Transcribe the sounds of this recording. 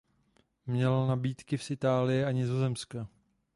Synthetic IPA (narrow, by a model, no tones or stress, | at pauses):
mɲɛlnabiːt̪kɪfsʔɪt̪aːlɪjɛaɲɪzo̞zɛmska